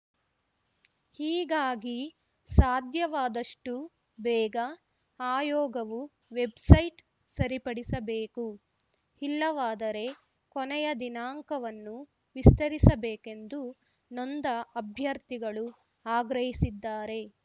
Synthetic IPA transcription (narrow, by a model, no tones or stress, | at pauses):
hiːɡaːɡi | saːd̪ʱjɐʋaːd̪ɐʂʈu | bɛːɡɐ | aːjɔːɡɐʋu | ʋebsɐjʈ | sɐɾipɐɽisɐbeːku | hilːɐʋaːd̪ɐɾe̞ | kɔnɛjɐd̪inaːŋkɐʋɐnːu | ʋist̪ɐɾisɐbɛːke̞nd̪u | nɔnd̪ɐɐbʱjɐɾt̪iɡɐɭu | aːɡɾɐɦisid̪ːaːɾe̞